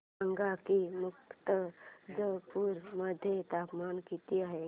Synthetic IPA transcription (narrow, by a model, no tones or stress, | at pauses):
ə̃ŋɡakimʊkt̪əd͡ʒəpuːɾməd̪ʱjet̪aːpmaːnkiːt̪iaɦe